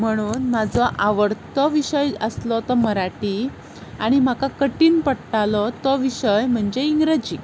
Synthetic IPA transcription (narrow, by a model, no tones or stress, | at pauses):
m̤əɽ̃uːnmad͡zɔʔaʋəɾt̪ɔʋiɕəjəslɔt̪ɔməɾaʈiː | aɽ̃im̤akakəʈiːnpəɽʈalɔt̪ɔʋiɕəjm̤əɳd͡ʑeiŋɡɾəd͡ʑiː